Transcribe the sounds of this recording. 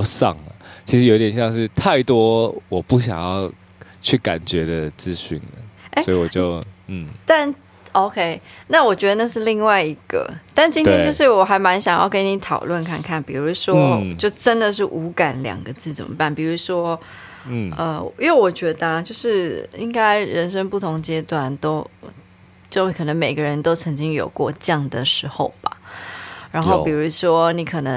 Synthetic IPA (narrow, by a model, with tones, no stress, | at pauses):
sɑ̰˥˩ŋlə˩t͡ɕʰi˧˥ʂɻ̩˧˥jo˧˦i˥t̪jɛ˨˩nɕjɑ˥˧ŋʂɻ̩˥˧t̪ʰa˥˩ɪt̪wɔ˥wɔ˨˩pu˥˩ɕjɑ̰˨˩ŋjɑ˥˧ʊ | t͡ɕʰy˥˩ka̰˨˩nt͡ɕɥɛ˧˥d̪ə˧t͡sɹ̩˥˧ɕy̰˥˩nlə˩e˥wɔ˧˥i˨wɔ˨˩t͡ɕjo˥˧ʊn̩˥˩t̪a˥˧n | o˥ʊkʰe˥ɪna˥˩wɔ˨˩t͡ɕɥɛ˧˥d̪ə˧na˥˧ʂɻ̩˥˧li˥˧ŋwa˥˩ɪi˧˥ɡ̥ə̰˧˩t̪a˥˧nt͡ɕi˥nt̪jɛ˥˧nt͡ɕjo˥˧ʊʂɻ̩˥˩wɔ˨˩xa˧˥ɪma˧˥nɕjɑ˨˩ŋjɑ˥˧ʊkə˥nni˧˥t̪ʰɑ˨˩ʊlwə˥˧nkʰa˥˧nkʰa˥˩npi˨˩ɻu˧˥ʂwɔ˥t͡ɕjo˥˩ʊʈ͡ʂə˥nd̪ə˨ʂ̬ɻ̩˥˩ʔu˧˥ka˨˥nljɑ̰˨˩ŋɡə˦t͡sɹ̩˥˩t͡sə̰˨˩mə̰˦pa˥˩npi˨˩ɻu˧˥ʂwɔ˥ | ə˧˨jo˥˩ʊwɔ˨˩t͡ɕɥɛ˧˥d̪ə˧˨t͡ɕjo˥˧ʊʂɻ̩˥˩i˥ŋka˥ɪɻə˧˥nʂə˥ŋpu˥˩t̪ʰʊ˧˥ŋt͡ɕjɛ˥t̪wa˨˩nt̪o˥ʊ | t͡ɕjo˥˩kʰɤ˨˩nə˧˥ŋme˨˩ɪɡə˦ɻə˧˦nt̪o˥ʊt͡sʰə˧˥ŋt͡ɕi˥ŋjo̰˨˩ʊkwɔ̰˥˧t͡ɕjɑ˥˩ŋd̪ə˩ʂɻ̩˧˥xo˥˩ʊb̥a̰˩ɻa˧˥nxo˥˩ʊpi˨˩ɻu˧˥ʂwɔ˥ni˧˥kʰɤ˨˩nə˧˦ŋ